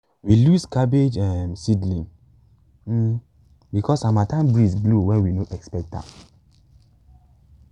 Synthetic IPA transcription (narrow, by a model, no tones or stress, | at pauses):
wiluskabed͡ʒɛ̃msidlĩŋ̩ | bikɔsamatãmbɹisɡluwɛ̃nwinoʔɛkspɛk̚ta̰